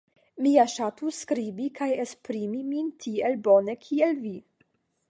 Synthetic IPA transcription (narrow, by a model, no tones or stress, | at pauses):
miaʃat̪uskɾibikʰajespɾimimint̪ʰielbonekʰielvi